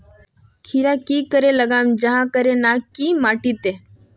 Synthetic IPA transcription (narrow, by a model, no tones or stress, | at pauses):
kʰiɾakiːkəɾeləɡaːmd͡ʒəɦãkəɾenakiːmaːʈit̪eː